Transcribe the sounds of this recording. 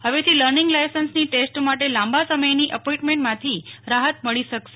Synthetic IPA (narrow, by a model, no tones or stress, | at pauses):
həʋet̪ʰiləɾnɪŋɡlajsənsniʈesʈmaʈelãmbasəməjniʔəpõĩɳʈmẽɳʈmãt̪ʰiɾaɦət̪məɭiʃəkʃe